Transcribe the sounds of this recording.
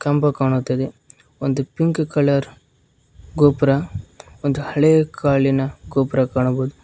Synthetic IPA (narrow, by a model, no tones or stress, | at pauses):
kɐmpɐkaːɳut̪ːɐd̪e | ond̪upiŋkkɐlɐɾ | ɡoːpɾɐ | ond̪uhɐɭekaːɭinɐɡoːpɾɐkaːɳɐboːd̪u